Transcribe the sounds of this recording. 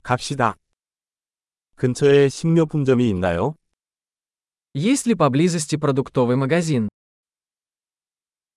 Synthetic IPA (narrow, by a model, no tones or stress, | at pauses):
kap̚ɕ͈id̪a | kɯnt͡ɕʰʌeɕʰimmjopʰumd͡ʑʌmiːnːajo | jesʲtʲlʲipɐblʲizəs̬ʲtʲipɾəd̪ukt̪o̞vɨjməɡɐzʲin